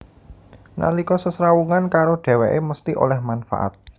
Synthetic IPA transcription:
na̰likɔsəsɾawuŋankaɾoɖ̥ɛ̤wɛʔeməst̪iʔo̰lɛhmanfa̰ʔa̰t̪̚

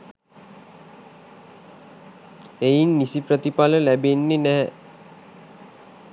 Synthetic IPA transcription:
ejinːisiprət̪ipaləlæbenːenæɦɛ

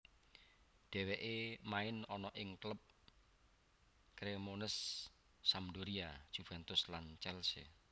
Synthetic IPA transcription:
d̪̥ɛ̤weʔemaɪnɔnɔʔɪŋkləp̚ | kɾemonəsː | amduɾiḁʒ̥ufɛnt̪ʊslant͡ʃɛlsḛ

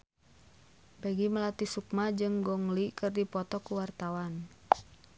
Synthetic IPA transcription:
bɛɡiməlat̪isuk̚mad͡ʒɨŋɡɔŋlikɨrdipɔt̪ɔkuwart̪awan

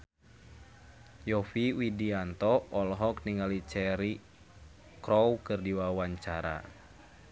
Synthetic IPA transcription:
jɔfiwidiant̪ɔɔlɦɔkniŋalit͡ʃɛɾi | kɾɔwkɨrdiwawaɲt͡ʃaɾa̰

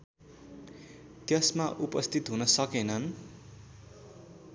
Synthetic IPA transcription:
t̪jʌsmaʔupʌst̪ʰit̪ɦunʌsʌkenʌn

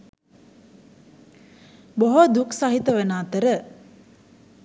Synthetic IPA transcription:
boɦod̪uksɐɦit̪əʋenaːt̪əɾə

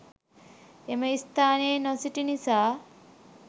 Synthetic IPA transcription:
eməist̪aːneːnɔsiʈinisaː

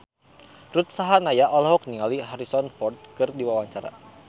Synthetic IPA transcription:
rut̪̚saɦanajaʔɔlɔɦɔk̚niŋaliɦaɾisɔnfɔrt̪̚kɨrdiwawaɲt͡ʃaɾa̰

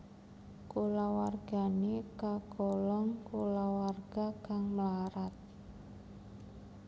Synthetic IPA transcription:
kolawarɡ̥a̤nekaɡɔlɔŋkolawarɡ̥a̤kaŋməlaɾat̪̚

